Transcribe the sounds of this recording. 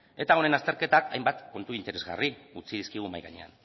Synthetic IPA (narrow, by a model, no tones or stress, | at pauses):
e̞t̪ao̞ne̞nast̪e̞ɾke̞t̪aka̰jmbat̪kːo̞nt̪uint̪e̞ɾe̞zɣa̰riut͡sið̞iskiɣ̞umajɣa̰ɲe̞̰a̰n